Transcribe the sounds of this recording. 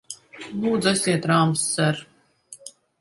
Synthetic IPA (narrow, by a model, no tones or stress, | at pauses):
lˠuːd̪zasʲiɛt̪ɾaːmsːɛɾ